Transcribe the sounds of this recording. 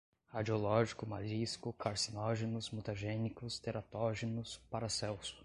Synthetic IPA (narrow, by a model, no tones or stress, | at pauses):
ad͡ʒiolɔʒikʊmaliskʊkʰaɾsinɔʒenʊzmut̪aʒẽnikʊst̪eɾat̪ɔʒenʊspaɾasɛwsʊ̥